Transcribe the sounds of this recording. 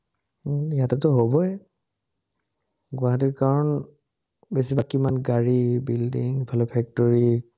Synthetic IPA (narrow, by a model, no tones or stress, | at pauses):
jatɛtɔɦobɔɛ | ɡʊaɦat̬ikaɹɔn | besibakimanɡaɹibildiŋpʰɛlɔpʰɛk̚tɔɹi